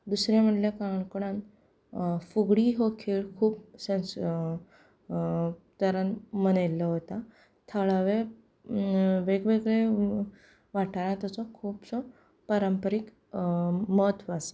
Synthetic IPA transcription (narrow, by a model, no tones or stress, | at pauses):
d̪usɾjãm̤əʈljekaɳkuɽãn | fuɡɽiɦokʰeɭkʰuːpsens | t̪əɾənmənajlːɔɦot̪a | t̪ʰəɭaʋe | ʋeɡʋeɡɭe | ʋaʈʰaɾãt̪ət͡sɔkʰuːbsɔ | pəɾəmpəɾik | mət̪ʋas